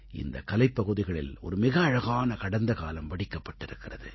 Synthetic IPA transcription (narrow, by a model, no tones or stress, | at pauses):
ɪ̰nd̪ɐkɐlɐɪpːɐɣɯðɪɣɐɭɪlɔ̰ɾɯmɪɣɐːɻɐɣaːnɐkɐɽɐnd̪ɐkaːlɐmʋɐɽɪkːɐpːɐʈːɪɾɯkːɪrɐðɯ̰